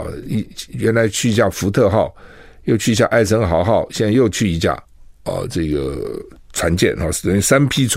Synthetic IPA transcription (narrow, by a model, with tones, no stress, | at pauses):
i˥˧ɥɛ˧˥nla˧˥ɪt͡ɕʰy˥˩i˧˥ɕja˥˩fu˧˥t̪ʰɤ˥˧xɑ˥˩ʊ | jo˥˧ʊt͡ɕʰy˥˩i˧˥ɕja̰˥˧ʔa˥˩ɪt͡sʰɤ˧˥ŋxɑ˨˧˥ʊxɑ˥˩ʊɕjɛ˥˧na˥˧ɪjo˥˧ʊt͡ɕʰy˥˩i˧˥ɕja̰˥˩ | ə̰˧ʈ͡ʂɤ˥˩ɡə̰˩ | t͡sʰwa˧˥nt͡ɕjɛ̰˥˩nɑ˥˧˩ə˧˩ny˥˩sa˥npʰi˥t͡sʰ